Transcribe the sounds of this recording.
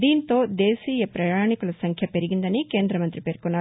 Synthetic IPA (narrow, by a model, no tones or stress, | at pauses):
d̪iːnt̪o̞ːd̪e̞ːsiːjɐpɾɐjaːɳikulɐsɐŋkʰjɐpe̞ɾiɡind̪ɐnike̞ːnd̪ɾɐmɐnt̪ɾipeːɾkunːaː